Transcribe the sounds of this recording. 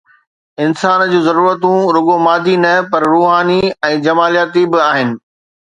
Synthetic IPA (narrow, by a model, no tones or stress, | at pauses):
ɪnsaːnd͡ʑũːzɐɾuːɾət̪ũɾʊɠomaːd̪ʱinɐpɐɾɾuːɦaːniɛ̃ːd͡ʑɐmaːlijaːt̪ibɪaːɦɪnɪ̆